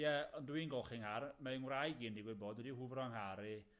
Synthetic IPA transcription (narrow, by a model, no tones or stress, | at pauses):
jɛɔnduinɡɔlχɪŋharmaɨŋwrajɡiːndiɡwɪboːdwɛdihʊvrɔaŋhaɾɨ